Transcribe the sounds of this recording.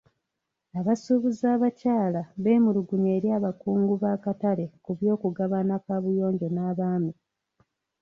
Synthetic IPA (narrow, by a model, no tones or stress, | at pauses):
aβasuβuzaːβacaːlaβe̞ːmuluɡuɲe̞ːɾjaːβakuːŋɡuβaːkatale̞kuβjo̞ːkuɡaβanakaβujo̞ːɲɟo̞naːβaːmi